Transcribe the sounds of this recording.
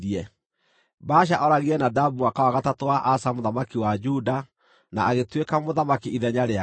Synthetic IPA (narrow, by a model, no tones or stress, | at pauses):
iɛ | baʃ̬aʔɔɾaɣiɛnadabuakawaɣatatowaʔasamoðamakiwad͡ʒuda | naːɣetwekamoðamakiiðɛɲaɾea